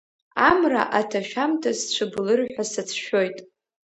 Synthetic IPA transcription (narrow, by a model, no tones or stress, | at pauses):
amra̰ʔatʰaʃᶣamtʰast͡ɕʷʰɨblɨrħʷᶣasat͡sʷʰʃᶣo̞jtʼ